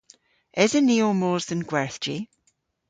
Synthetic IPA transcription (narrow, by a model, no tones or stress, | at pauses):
ɪzəniomoːɹzðə̃nɡwɛɹθd͡ʒi